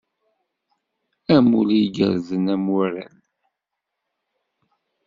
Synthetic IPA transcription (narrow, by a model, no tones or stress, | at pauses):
æmuliɡə̰ɾðənæmaɾə̰n